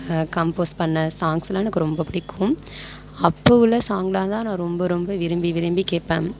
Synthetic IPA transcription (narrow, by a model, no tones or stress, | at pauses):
kɐmpoːspɐɳːɐsaːŋɡsɪlaːnɯkːɯɾɔmbɐpʊɽɪkːʊ̃m | ɐpːoʋɪlːɐsaːŋɡɐlãːt̪ãːnãːɾɔmbɐɾɔmbɐʋɪɾɯmbiʋɪɾɯmbikeːʈpːḛ̃ːm